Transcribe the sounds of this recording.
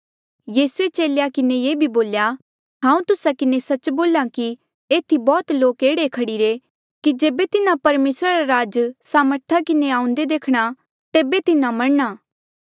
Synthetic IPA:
jiːsuet͡ʃeːlejakɪnejeːbʱiboːlja | ɦãːũt̪ʊsakɪnesɐt͡ʃboːlaki | eːt̪ʰibɔːt̪loːkeːɽekʰɐɽiɾe | kid͡ʒeːbet̪ɪnãpɐɾmeːsɾaɾaɾaːd͡ʒsaːməɾt̪ʰakɪneãːʊ̃nd̪ed̪eːkʰɽ̃a | t̪eːbet̪ɪnãmɐɽɳaː

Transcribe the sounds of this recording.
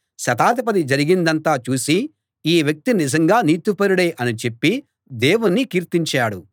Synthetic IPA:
ʃɐt̪aːt̪ip̬ɐd̪id͡ʒɐɾiɡind̪ɐnt̪aːt͡ʃuːsi | iːʋjɐk̚t̪inizɐŋɡaːniːt̪upɐɾuɽeːʔɐnit͡ʃe̞pːi | d̪eːwunːikiːɾt̪iɲt͡ʃaːɽu

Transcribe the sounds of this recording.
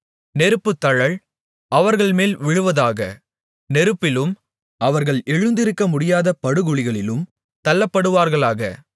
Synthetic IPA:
nɛɾɯpːɯt̪ːɐɻɐɭ | ʔɐʋɐɾɣɐɭmeːlʋɪɻɯʋɐðaːɣɐ̰ | nɛɾɯpːɪlɯm | ʔɐʋɐɾɣɐɭɛɻɯnd̪ɪɾɯkːɐmʊɽɪjaːðɐpɐɽɯɣɯɭɪɣɐɭɪlɯm | t̪ɐlːɐpːɐɽɯʋaːɾɣɐɭaːɣɐ̰

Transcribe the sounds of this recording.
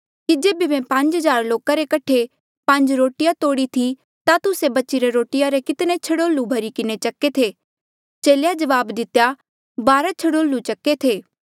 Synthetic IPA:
kid͡ʒeːbimɛ̃pɐ̃ɲd͡ʒɦɐzaːɾloːkaɾekɐʈʰe | pɐ̃ɲd͡ʒɾoːʈɪjat̪oːɽit̪ʰi | t̪at̪ʊsebɐtːt͡ʃiɾeɾoːʈɪjaɾekɪt̪net͡ʃʰɐɽoːlːubʱɐɾikɪnet͡ʃɐkːet̪ʰeː | t͡ʃeːljad͡ʒɐʋaːbd̪ɪt̪ja | baːɾat͡ʃʰɐɽoːlːut͡ʃɐkːet̪ʰeː

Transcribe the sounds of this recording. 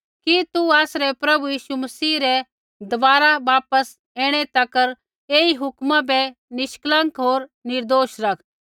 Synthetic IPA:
kit̪uaːsɾɛpɾɐbujiːʃumɐsiːɾɛ | d̪ʊʋaːɾaʋaːpəs | eːɽ̃ɛt̪ɐkəɾ | eːiɦʊkmãbɛnɪʃklə̃ŋkɦoːɾnɪɾd̪oːʃɾɐkʰ

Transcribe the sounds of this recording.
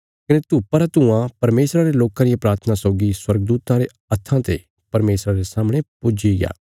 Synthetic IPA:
kɐnet̪upɐɾat̪ʊãpɐɾmeːsɾaɾeloːkãɾɪjapɾaːɾt̪ʰənasɔʊɡiswɐɾɡəd̪uːt̪ãɾe | ɐt̪ʰːãt̪ḛ | pɐɾmeːsɾaɾesaːmɽ̃epʊd͡ʒiɡja̰ː

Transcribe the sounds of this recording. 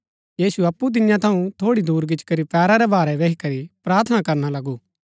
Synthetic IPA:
jiːsuɐpːut̪̬ɪnjãt̪ʰɐũt̪ʰoːɽid̪uːɾɡɪt͡ʃkɐɾipɛːɾaɾɛbaːɾɛʋeːɦikɐɾipɾaːɾt̪ʰənakɐɾnalɐɡuː

